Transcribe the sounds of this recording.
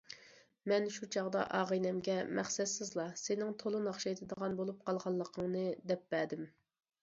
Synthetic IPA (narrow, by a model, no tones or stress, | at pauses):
mɛnʃut͡ʃʰɑʁd̪ɑ̰ʔɑʁəjnɛmɡʲɛmæχsɛt̪sɪzlˠɑsenɪŋt̪ʰolˠɨnɑχʃɑjt̪ʰɨd̪əʁɑnbolˠup̚qʰɑlˠʁɑlˠːəqʰəŋnɨd̪ɛp̚bæd̪ɪm